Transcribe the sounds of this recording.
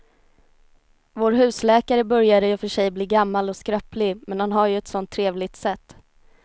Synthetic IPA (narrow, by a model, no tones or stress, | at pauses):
voːɾɦʉ̟ːslɛːkaɾəbœɾjad̪əjɵfœʂɛjbliːɡamːalɔskɾœplɪmɛnhanɦaɾjɵɛt̪sɔnt̪ʰːɾeːvlɪɡ̚t̪sɛt̪ː